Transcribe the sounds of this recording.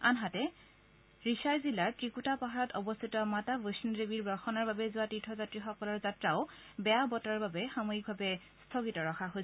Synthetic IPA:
a̰nɦatɛ | ɹisajzilaɹkɹikutapaɦaɹɔtɔbɔst̪ʰitɔmatavosnɹebiɹbɔɹxɔnaɹbabɛzʊatitʰɔzatɹixɔkɔlɔɹzatɹaʊ | bɛjabɔtaɹbabɛxamoɦik̚bʱabɛ | stʰɔɡitɔɹɔxʰaɦo

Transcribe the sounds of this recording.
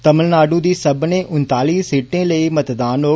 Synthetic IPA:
t̪ɐməlnaːɖũd̪iːsɐbʱnẽʔʊnt̪aːliːssiːʈẽlɐimɐt̪d̪aːnoː

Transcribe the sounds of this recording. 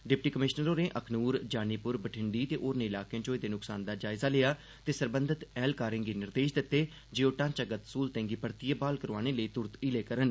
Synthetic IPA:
ɖɪp̚ʈiːkəmɪʃnəɾoːnẽːʔəkʰnuːɾd͡ʒaːniːpʊɾbəʈʰɪɳɖiːt̪eːʔoːɾnẽːɪlaːkãt͡ʃoːiːd̪eːnʊksaːnd̪aːd͡ʒaːɪzaːlejaː | t̪eːsəɾbənd̪ʱət̪ɛːlkaːɾɪ̃ŋɡiːnɪɾd̪eːʃd̪ɪt̪ːeː | d͡ʒeːoːʈãːt͡ʃəɡət̪suːlt̪ɛ̃ːŋɡiːpəɾt̪ijeːbaːlkəɾʋaːneːləiːt̪ʊɾt̪ileːkəɾən

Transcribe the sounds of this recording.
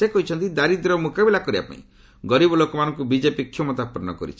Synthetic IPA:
sekɔɦit͡ʃʰɔnt̪id̪aɾid̪ɾɔmukabilakɔɾiba̰pa̰ḭ̃ | ɡɔɾibɔlokɔmanɔ̃ŋkubid͡ʒepikʰːjɔmɔt̪apɔɾɔñɔ̰kɔ̰ɾḭt͡ʃʰi̥

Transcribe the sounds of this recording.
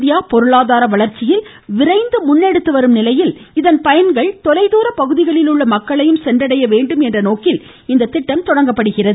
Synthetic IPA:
ðɪjaːpɔɾɯɭaːðaːɾɐʋɐɭɐɾt͡ʃːɪjɪl | ʋɪrɐɪnd̪ɯmʊnːɛɽɯt̪ːɯʋɐɾɯmnɪlɐjɪlɪðɐnpɐjɐnɡɐɭt̪ɔlɐɪðuːɾɐpɐɣɯðɪɣɐɭɪlɯɭːɐmɐkːɐɭɐjɯmsɛndrɐɽɐjɐʋeːɳɖɯmɛndrɐnoːkɪl | ɪnd̪ɐt̪ːɪʈːɐmt̪ɔɽɐŋɡɐpːɐɽɯɣɪrɐðɯ

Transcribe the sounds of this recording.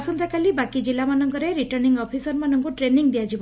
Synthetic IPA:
sɔnt̪ekalibakid͡ʒilamanɔŋkɔɾeɾiʈɔɾniŋɡɔpʰisɔɾmanɔŋkuʈɾeniŋbiad͡ʒib

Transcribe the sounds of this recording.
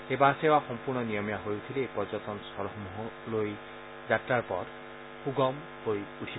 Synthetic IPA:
ebasewaxɔmpuɹnɔnijɔmjaɦojut̪ʰilepɔzɔt̪ɔnsɔɾmuɦɔloj | zatɾaɹpɔɾ | xuɡɔm | hojuʈʰib

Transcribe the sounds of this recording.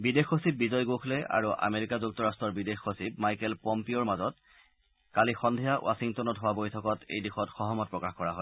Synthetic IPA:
bidexosib̚bizɔjɡoxʰlɛa̰ɹuʔa̰meɹikazuk̚tɔɹastɹɔɹbidexosib̚majkɛlpɔmpioɹmazɔt | kalixɔndʱijawʔa̰siŋtɔnɔtɦowabojtʰɔkɔtḛjdixɔtxɔɦɔmɔt̚pɹɔkaxkɔɹaɦɔl

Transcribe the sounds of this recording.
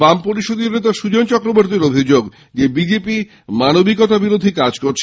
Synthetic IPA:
bampoɾiʃod̪iɾnet̪aʃud͡ʑont͡ɕɔkɾoboɾt̪iɾobʱid͡ʑoɡ | d͡ʑebid͡ʑepi | manobikɔt̪abiɾod̪ʱikad͡ʑkoɾt͡ɕʰ

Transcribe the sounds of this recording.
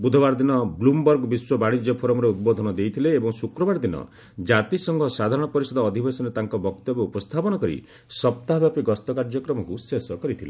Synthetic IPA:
bud̪ʱɔbaɾd̪inɔblumbɔɾɡbiswɔbaɽ̃id͡ʒjɔpʰoɾɔmɔɾeut̪̚bɔd̪ʱɔnɔd̪ejt̪ʰileːbɔŋsukɾɔbaɾd̪inɔ̰ | d͡ʒat̪isɔŋɡʱɔsad̪ʱaɾɔɽ̃ɔpɔɾisɔd̪ɔːd̪ʱibesɔnet̪aŋkɔbɔkt̪ɔbɔupɔst̪ʰapɔɽ̃ɔkɔɾḭ | sɔp̚t̪aɦbjapiɡɔst̪ɔkaɾd͡ʒɔkɾɔmɔkusesɔkɔɾit̪ʰile

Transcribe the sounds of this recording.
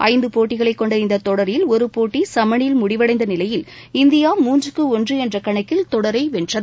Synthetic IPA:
ʔɐ̰ɪnd̪ɯpoːʈːɪɣɐɭɐɪkːɔɳɖɐɪnd̪ɐt̪ːɔɽɐɾɪlɔɾɯpoːʈːisɐmɐɳɪlmʊɽɪʋɐɽɐɪnd̪ɐnɪlɐjɪlɪnd̪ɪjaːmuːnd͡ʒɯkːɯɔndrɯɛndrɐkɐɳɐɪkːɪlt̪ɔɽɐɾɐɪʋɛndrɐð

